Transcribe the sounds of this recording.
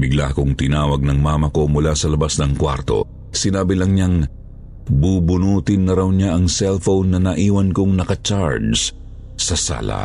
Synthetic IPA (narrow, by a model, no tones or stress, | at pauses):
bɪɡlakʊŋt̪ɪnaːwɐɡ̚nɐŋmaːmɐko̞mʊlasɐlɐbasnɐŋkwa̰ɾt̪o̞̰ | sɪnaːbɪlɐŋɲaŋ | buːbʊnuːt̪ɪnːɐɾawɲaʔɐŋsɛlfownːɐnɐʔiːwɐnkoŋnɐkɐt͡ʃaɹds | sɐsa̰lɐ̰